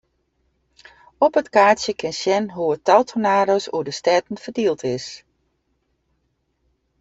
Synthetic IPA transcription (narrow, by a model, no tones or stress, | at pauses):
ɔpətkaːsjəkɪnsjɛnɦuətalˠtʰonaːɾosuədəstɛtn̩fərdiəlˠtʰɪs